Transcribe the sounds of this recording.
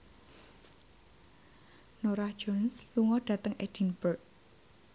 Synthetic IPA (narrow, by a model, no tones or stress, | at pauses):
noɾahd̥ʒ̥ɔnsluŋɔɖ̥ä̤t̪əŋʔed̥inb̥ərk̚